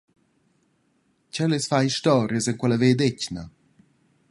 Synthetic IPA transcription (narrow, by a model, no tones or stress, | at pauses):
cɛlesfajiʃt̪ɔːɾjəsɛŋkwɛləveːd̪ecna